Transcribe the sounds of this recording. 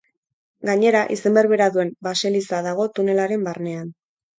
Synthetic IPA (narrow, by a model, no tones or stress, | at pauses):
ɡaɲe̞ɾaʔise̞mbeɾβe̞ɾaðue̞mbase̞lisaðaɣ̞o̞t̪une̞laɾe̞mbarne̞an